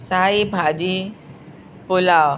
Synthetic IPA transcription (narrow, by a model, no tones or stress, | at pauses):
saibʱad͡ʑi | pulaw